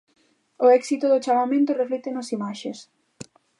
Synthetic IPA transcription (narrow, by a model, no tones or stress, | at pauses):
ʊɛksit̪ʊðʊt͡ʃamamẽnt̪ʊreflɛt̪enosimaʃes